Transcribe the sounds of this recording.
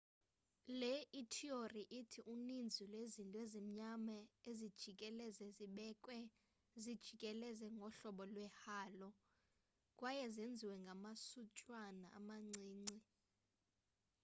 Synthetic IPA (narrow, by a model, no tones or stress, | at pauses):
lɛitʰioriʔitʰiʔunind͡zʱulwezintʼezim̩ɲamaezid̥ʒ̥ʱikʼɛlɛzɛziɓɛkʼwɛ | zid̥ʒ̥ʱikʼɛlɛzɛŋɡʱɔɬɔɓɔlwɛhaːlɔ | kʼwajɛzend͡zʱiwɛŋɡʱamasut͡ʃʼwanaa̰maŋ͡ǀiːŋ͡ǀi